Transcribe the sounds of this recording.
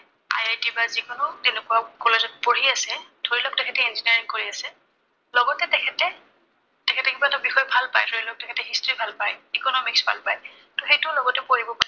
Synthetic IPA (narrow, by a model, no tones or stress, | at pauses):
a̰jajtibazikʊnʊtenɛkuakɔlezɔt̚poɹiasɛd̥ʱoɹilɔk̚tɛkʰɛtɛinziniaɹiŋkoɹiasɛ | lɔɡɔtɛtɛkʰɛtɛ | tɛkʰɛtɛkibatabixɔjɔbʱalpa̰jdʱoɹilɔk̚tɛkʰɛtɛxistibʱalpajikɔnɔmiksbʱa̰lpaj | tɔxejtʊlɔɡɔtɛpoɹibɔpa